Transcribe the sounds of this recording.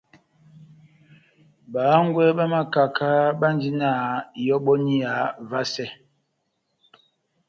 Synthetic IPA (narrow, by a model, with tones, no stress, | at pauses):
ba˨˦ŋ˦ɡwɛ˦ɓa˦ma˦ka˨kʰa˦ɓa˦n˦d͡ʒi˦na˦˨jɔ˦ɓɔ˦ni˦a˨˦va˦sɛ˦˨